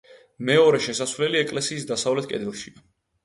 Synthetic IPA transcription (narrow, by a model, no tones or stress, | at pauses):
mɛɔɾɛʃɛsasvlɛliɛkʼlɛsiːsd̪asavlɛt̪̚ʰkʼɛ̰d̪ɛlˠʃia